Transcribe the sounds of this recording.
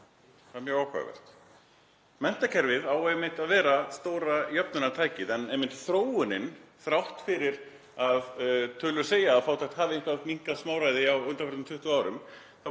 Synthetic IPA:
θaðmjœːɣawhkʰva̰vɛ̰r̥t̪ | mɛn̥t̪acʰɛɾvɪðawɛmɪnt̪aðvɛːɾast̪oːwɾajœpnʏnat̪ʰaːjcɪðɛnɛjmːɪnt̪θɾoːwʏnɪnθɾawht̪fɪɾɪɾ | aðt̪ʰœːlʏ̥seːjaːðfaːwt̪ʰajht̪haːvɪejŋkvamiŋ̥kasmaːwɾajðɪawʏnt̪akʰɾt̪ʏmt̪ʰʏht̪ʏaːwɾʏm | θa

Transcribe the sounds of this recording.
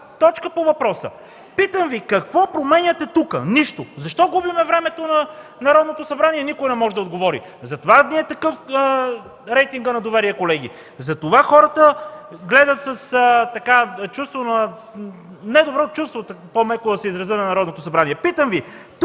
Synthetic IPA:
t̪ɔt͡ʃkəpovɐpɾɔsə̰ | pit̪əmvikɐkvɔpɾomɛnʲɐt̪ɛt̪ukə̰niʃt̪ozɐʃt̪ɔɡubimɛvɾɛmɛt̪onɐnɐɾɔd̪not̪osɐbɾaniɛnikojnɛmɔʒɛd̪ɐod̪ɡovɔɾḭ | zɐt̪ovad̪niɛt̪ɐkɤf | ɾɛjt̪iŋɡənɐd̪ovɛɾiɛkolɛɡ̟ḭ | zɐt̪ovaxɔɾɐt̪əɡlɛd̪ət̪sɐst̪ɐkat͡ʃust̪vonɐ | nɛd̪obɾɔt̪ot͡ʃust̪vot̪pomɛkod̪ɐsɛizɾɐzənɐnɐɾɔd̪not̪osɐbɾaniɛpit̪əmvi | t̪

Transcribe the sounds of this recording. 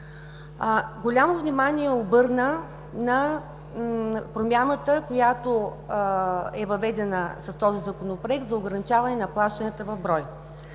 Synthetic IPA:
ɡolʲamovnʲimanʲiɛobɤɾnə | nɐ | pɾomʲanət̪əkojat̪o | ɛvɐvɛd̪ɛnəsɐst̪ɔzizɐkonopɾoɛk̚t̪zɐoɡɾɐnit͡ʃavɐnɛnɐplˠaʃt̪ənʲət̪əvɐvbɾɔj

